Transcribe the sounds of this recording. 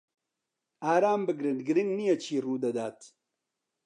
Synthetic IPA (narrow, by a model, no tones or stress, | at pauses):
aːɾaːmbəɡɾiɳɖɡɾinnijat͡ɕʰiɾuːd̪ɐd̪aːt̪